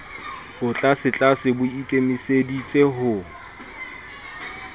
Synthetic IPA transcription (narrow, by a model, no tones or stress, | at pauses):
bʊt͡ɬʼasɪt͡ɬʼasɪbʊikʼemisedit͡sʼeɦʊ